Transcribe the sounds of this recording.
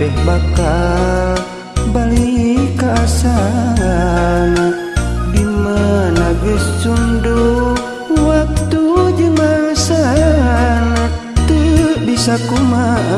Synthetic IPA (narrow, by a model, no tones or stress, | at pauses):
ɛhbakal | balikaːsaan | dimanaɡɛsundu | wak̚t̪ud͡ʒəŋaŋsaana | t̪əbisakuma